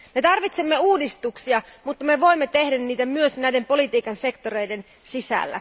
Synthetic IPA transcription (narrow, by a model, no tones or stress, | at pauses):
me̞t̪ɑrʋit̪semːe̞uːdist̪uksiɑmut̪ːɑme̞ʋo̞imːet̪e̞hdænniːt̪æmyøsnæjde̞mpo̞lit̪iːkɑnse̞kt̪oɾe̞jde̞n | sisæ̰lːæ̰